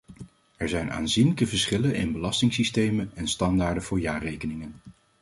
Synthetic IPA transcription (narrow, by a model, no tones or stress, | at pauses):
ɛɹzɛjna̰ːnzinləkəvəɹsχɪlənɪ̰nbəlɑstɪŋsistejmənɛnstɑndaːɹdənvʊːɹjaːrejkənɪŋən